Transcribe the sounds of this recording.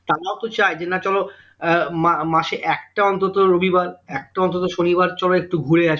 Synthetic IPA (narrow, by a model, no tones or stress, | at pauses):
t̪aɾaot̪ot͡ɕaed͡ʑenat͡ɕɔlo | mamaʃeʔɛk̚ʈaɔnt̪ot̪oɾobʱibaɾɛk̚ʈaɔnt̪ot̪̬oʃonibaɾt͡ɕɔloek̚ʈuɡʱuɾeaʃ